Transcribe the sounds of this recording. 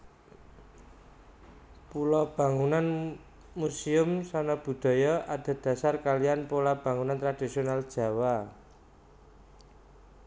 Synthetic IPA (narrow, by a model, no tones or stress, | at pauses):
pulɔb̥ä̤ŋunan | musiʊmsanɔb̥ṳd̪̥ɔ̤jɔʔad̪̥a̤d̪̥ä̤sarkalianpulab̥a̤ŋunant̪ɾad̪̥isionald̥ʒ̥ä̤wa